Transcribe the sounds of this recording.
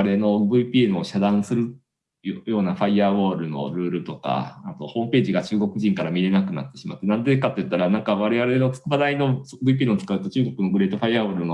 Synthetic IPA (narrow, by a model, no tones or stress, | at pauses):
ɾe̞no̞bɯ̟ipʲienɯoɕad̪ãɰ̃sɨɾɯ̟ | jjo̞ːnaɸaiaːβo̞ːɾɯ̟no̞̰ɾɯ̟ːɾɯ̟t̪o̞ka̰ːt̪o̞̰ho̞ːmɯ̟pe̞ːʑiɡat͡ɕɨːɡo̞kɯ̟ʑĩŋkaɾamʲiɾe̞nakɯ̟na̰t̪ːe̞ɕimat̪ːe̞nãnd̪ekat̪ːojɯ̟t̪ːaɾanãŋkaβaɾe̞βaɾe̞not͡sɨ̥kɯbad̪aino̞sbɯip̬ʲiːenot͡sɨ̥kaɯ̟t̪o̞t͡ɕɨːɡo̞kɯ̟no̞ɡɯ̟ɾe̞ːt̪o̞ɸaiːaːβoːɾɯ̟no